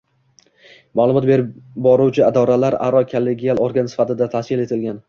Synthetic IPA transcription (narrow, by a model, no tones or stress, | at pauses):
malˠʊmɒt̪be̞ɾɪbɒɾuwt͡ʃʰɪad̪ɒɾalaɾa̰ɾɒkʰolːe̞ɡʲialˠoɾɡʲansɪ̥fat̪ɪd̪at̪ʰaskʲɪle̞t̪ʰɪlɡʲan